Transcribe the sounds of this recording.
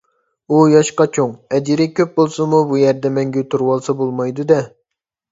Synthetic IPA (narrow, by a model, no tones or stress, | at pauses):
ujɑʃqɑt͡ʃʰoŋɛd͡ʒiɾɪkʲʰøp̚bolˠsɨmubujɛɾd̪ɛmɛŋɡʲɛt̪ʰuɾwɑlˠsɑbolˠmɑjd̪ud̪ɛ